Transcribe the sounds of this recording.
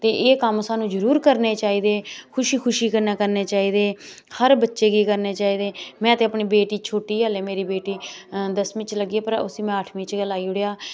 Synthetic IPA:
t̪eːʔeːkəmsaːnũːd͡ʒəɾuːɾkəɾneːt͡ʃaːiːd̪eːkʰʊʃiːkʰʊʃiːkəɾnaːkəɾneːt͡ʃaːiːd̪eː | həɾbətːʃeːɡiːkəɾneːt͡ʃaːiːd̪eːmɛ̃ːt̪eːəpɳiːbeːʈiːt͡ʃʰoːʈiːaːleːmeːɾiːbeːʈiːd̪əsmɪ̃t͡ʃləɡːpəɾʊ̰sĩːmɛ̃ːəʈʰmĩːt͡ʃɡəlaːiːʊɽejaː

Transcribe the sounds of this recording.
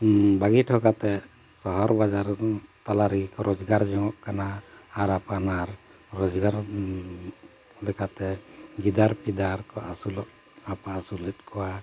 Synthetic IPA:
baɡiʈʰɔkat̪ɛ | sɔɦɔɾbad͡ʒaɾt̪alaɾiɡikɔɾʔɔd͡ʒɡaɾd͡ʒɔŋɔʔkanaːɾapanaɾː | ɔd͡ʒɡaɾ | lɛkat̪ɛɡid̪aɾpid̪aɾkɔʔasulɔʔ | apaːsulɛt̪̚ˀkʰɔwa

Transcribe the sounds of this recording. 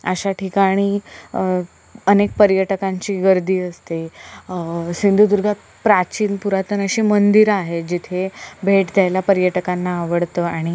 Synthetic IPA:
əɕaʈʰikaɽ̃i | ənek̚pəɾjəʈəkaɲt͡ɕiːɡəɾd̪iːəst̪e | sind̪ʱud̪uɾɡʱat̪̚ | pɾat͡ɕiːnpuɾat̪ənəɕimənd̪iɾaɦed͡ʑit̪ʰebʱeʈd̪ʱjajlapəɾjəʈəkanːaːʋəɽt̪əaɽ̃i

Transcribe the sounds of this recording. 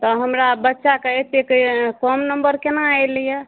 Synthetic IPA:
t̪ɔɦəmɾabətːʃakeet̪ekkɔmnəmbəɾkenaajlijə

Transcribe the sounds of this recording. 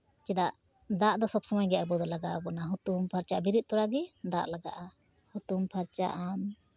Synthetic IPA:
t͡ʃid̪aʔ | d̪aʔd̪ɔsɔbsɔmɔjɡɛʔabɔd̪ɔlaɡaʔabɔnaɦut̪umpʰaɾt͡ʃaʔbiɾit̪̚t̪ɔɾaɡɛd̪aʔlaɡa̰ʔa | hut̪umpʰaɾt͡ʃa̰ʔam

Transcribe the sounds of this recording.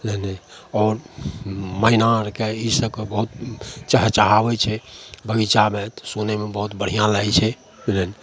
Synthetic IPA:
lene | ɔɾ | məinaɾkeisəb̚kebəɦut̪̚t͡ʃəɦt͡ʃaɦabɛt͡ʃʰɛbəɡit͡ʃamet̪sunemebəɦut̪bəɽ̤ijãlajt͡ʃʰɛ | bilən

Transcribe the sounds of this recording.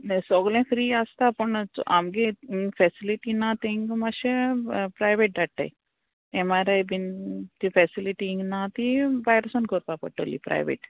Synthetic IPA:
nsɔɡlẽfɾiaːst̪apɐɳʔa̰mɡefʰɛsiliʈinãt̪eŋɡmaʃepɾajʋeʈ̚ɖaʈːa̰j | emaɾejbint̪ifɛsiliʈiŋɡnat̪iʋajɾəsɔnkoɾpapɐʈːolḭpɾa̰jʋḛʈ

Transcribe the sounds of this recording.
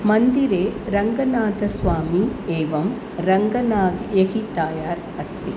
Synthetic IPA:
mɐnd̪iɾeːɾɐŋɡɐnaːt̪ɐsʋaːmieːʋɐm | ɾɐŋɡɐnaːɡjɐɦit̪aːjaːɾ | ɐst̪i

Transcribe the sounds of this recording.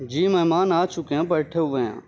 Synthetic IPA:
d͡ʒiːməɦmaːnaːt͡ʃʊkeãːpɐɾʈʰeːɦʊʋẽã̰ː

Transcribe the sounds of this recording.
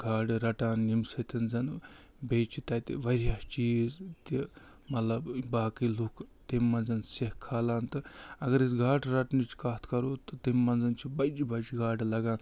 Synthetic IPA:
ɡʱaːɖɾɐʈaːnimsɐt̪ʲɐnzɐn | beːt͡ʃit̪ɐt̪iʋɐɾjaːt͡ʃiːzt̪i | mɐt̪lɐbbaːkilukt̪imːɐnzɐnsehkʰːaːlaːnt̪ɨɐɡɐɾisɡʱaːʈɾɐʈnit͡ʃkaːt̪ʰkɐɾoːt̪ɨt̪imːɐnzɐnt͡ʃʰibɐd͡ʒibɐd͡ʒɡʱaːɖlɐɡaːn

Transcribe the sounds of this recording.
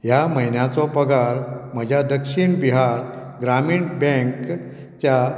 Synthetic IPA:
jaməjnjat͡sɔpəɡaɾməd͡ʑʱjad̪əkʂiɳbiɦaɾɡɾamiːɳbɛ̃ŋk | t͡ɕja

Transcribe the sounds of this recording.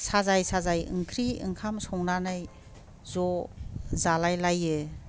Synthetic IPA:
sazajsazajɯ̰ŋkʰɾiɯ̰ŋkʰamsɔŋnanaj | zɔ | zalajlajɯ

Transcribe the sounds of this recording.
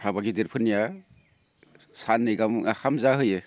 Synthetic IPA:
hʰabaɡideɾpʰɯnːija | sanːɯjɡamaxʰamzaɦɯjɯ

